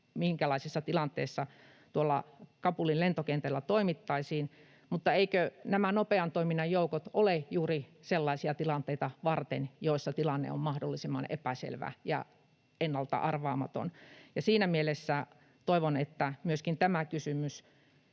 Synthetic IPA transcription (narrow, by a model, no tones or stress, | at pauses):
miŋkælɑisisːɑt̪ilɑnt̪eːsːɑ | t̪uolːɑkɑpulillent̪okent̪elːæt̪oimit̪ːɑisiːn | mut̪ːɑeikønæmænopeɑnt̪oiminːɑjjoukot̪olejuːriselːɑisiɑt̪ilɑnt̪ˑeit̪ɑʋɑrt̪enjoˑisːɑt̪ilɑnːḛo̰mmɑhdolːisimːɑnḛpæsḛlʋæ̰jɑ̰ | enːɑlt̪ɑ̰ʔɑrʋɑːmɑt̪o̰njɑsiːnæmielesːæ | t̪oiʋonet̪ːæmyøskint̪æmækysymys